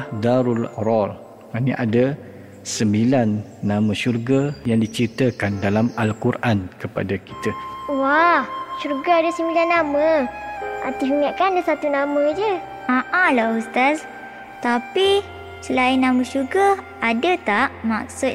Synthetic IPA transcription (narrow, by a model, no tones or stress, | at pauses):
hdaɾulrɔl | maniʔada | səmbilanːãmə̃ʃurɡajaŋdit͡ʃit̪əkandalamalkurʔankəpa̰daki̥t̪əwahʃuɾɡaadəsəmbilanːamə | a̰t̪iɦuŋaʔkandəsat̪unamə̃d͡ʒə | aʔãlaust̪as | t̪api | səlaɪnːamə̃ʃurɡa | adət̪aʔmak̚sʊt̪